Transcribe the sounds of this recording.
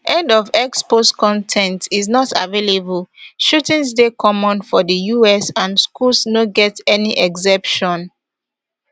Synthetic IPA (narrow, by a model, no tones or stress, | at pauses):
ʔɛ̃ndɔvɛkspostkɔ̃ntʰɛ̃ntiznɔta̰velebulʃutĩnsdekʰɔmɔ̃nfɔdəjuɛsãnskulsnoɡɛtɛniʔɛɡsɛ̃pʃɔ̃n